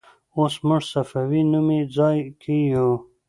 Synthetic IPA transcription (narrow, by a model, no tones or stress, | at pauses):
oːsmʊʐsɐfawinumid͡zɑjkʰijo